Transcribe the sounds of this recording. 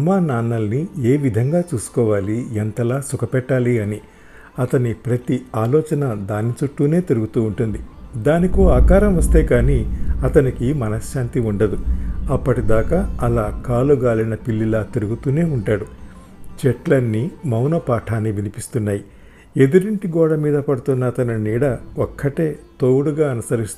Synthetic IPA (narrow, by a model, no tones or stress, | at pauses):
ɐmaːnaːnːɐlnieːʋid̪ʱɐŋɡaːt͡ʃuːsu̥kɔːʋaːliɛnt̪ɐlaːsukʰɐpɛʈːaːliɐni | ɐt̪ɐnipɾɐt̪iaːlɔːt͡ʃɐnɐd̪aːnːit͡ʃuʈːuːne̞ːt̪iɾuɡut̪uːɳʈund̪id̪aːnikuaːkaːɾɐmʋɐst̪eːkaːniɐt̪ɐnikimɐnɐʃʃaːnt̪iuɳɖɐd̪uɐpːɐʈid̪aːkaːɐlaːkaːluɡaːlinɐpilːilaːt̪iɾuɡut̪uːne̞ːuɳʈaːɽu | t͡ʃɛʈlɐnːimɐwnɐpaːʈʰaːnːiʋinipist̪unːaːji | e̞d̪uɾiɳʈiɡɔːɽɐmiːd̪ɐpɐɽut̪unːɐːt̪ɐnɐniːɽɐokʰːɐʈe̞ːt̪oːɽuɡaːɐnusɐɾist̪u